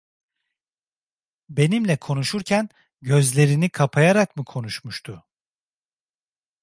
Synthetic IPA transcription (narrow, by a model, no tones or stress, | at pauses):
be̞nimlʲɛkʰo̞nuʃuɾcʰæn | ɟø̞zlʲe̞ɾinikʰapʰajaɾakmɯkʰo̞nuʃmuʃt̪ʰʊ